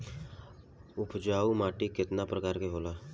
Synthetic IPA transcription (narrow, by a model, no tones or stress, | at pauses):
ʊpʰd͡ʒaːumaːʈikɪt̪napɾəkaːɾkeɦoːlaː